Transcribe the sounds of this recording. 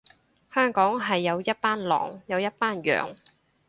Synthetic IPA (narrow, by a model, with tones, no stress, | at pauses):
hœː˥ŋkɔː˨˥ŋɦɐ˨jːɐ˨˧wjɐ˥t̚paː˥nlɔ̰ː˨˩ŋjɐ˨˧wjɐ˥t̚paː˥njœ̰ː˨ŋ